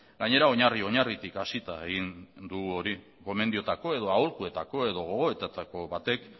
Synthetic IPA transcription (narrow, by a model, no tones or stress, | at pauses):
ɡaɲe̞ɾao̞ɲario̞ɲarit̪ikasit̪aeɣind̪uɣuo̞ɾi | ko̞me̞nd̪io̞t̪ako̞e̞ð̞o̞aolkue̞t̪ako̞e̞ðo̞ɣ̞o̞ɣ̞o̞e̞t̪at̪ako̞βat̪e̞k